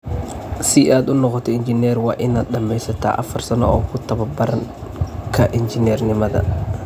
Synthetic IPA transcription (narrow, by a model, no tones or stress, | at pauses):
siʔad̪ʊnɔqɔt̪ɛɪnd͡ʒɪnɛɾwa̰ːʔɪnaːd̪̚ɗɐmːɛjsɐt̪a̰ːʔɐfɐrsɐnɔ̰ɔːkʰʊt̪ɐβɐbɐɾɐŋ | kʰɐʔɪnd͡ʒɪnɛrnɪmɐðɐ̰